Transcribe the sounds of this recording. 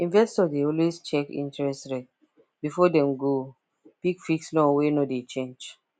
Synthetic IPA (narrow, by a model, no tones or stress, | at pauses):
ĩnvɛstɔdeɔlwest͡ʃɛkḭ̃ntɹɛstɹet | bifɔdɛ̃mɡo | pikfikslɔ̃ŋwenodet͡ʃẽnd͡ʒ